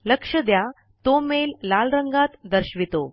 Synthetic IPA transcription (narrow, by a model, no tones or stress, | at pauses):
ləkʂəd̪ja | t̪omelːalɾəŋɡat̪d̪əɾɕʋit̪o